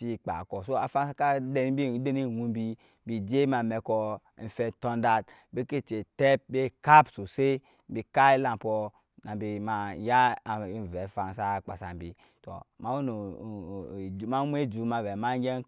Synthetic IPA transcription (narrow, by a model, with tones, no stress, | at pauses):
i˦k͡pa̰˨kɔ˨so˦a˨fa˦nsa˦ka˦de˨n˦bi˦˨˦de˦ni˦˨wu˦bi˦ | bi˨d͡ʒe˦ma˨mɛ˨kɔ˨ | n̩˨fɛ˨tɔ˦nda˦t | be˦ke˦˨t͡ʃe˨tɛ˦p̚be˦ka˦pso˨se˦ | bi˨ka˦i˦la˨m˨pɔ˨ | na˨bi˨ma˨˦ja˦˨˦vɛ˨fa˨n˨sa˦˨k͡pa̰˨sa̰˨m˨bi˨ | tɔ̰˨ma˨˦wo˦no˨ | ma˦mʷ˦e˦˨d͡ʒu˨˦ma˨vɛ˨ma˦ŋ˦ɡɛ˦